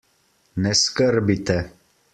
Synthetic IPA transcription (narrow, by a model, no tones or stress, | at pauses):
neskəɾbit̪ɛ